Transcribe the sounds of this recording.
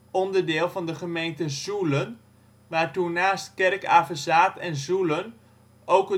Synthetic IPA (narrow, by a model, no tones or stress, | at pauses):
ɔndəɹdɪːlˠvɑndəχəmejntəzulən | ʋaːɹtunaːstkɛrka̰ːvəsaːtɛnzulən | owkə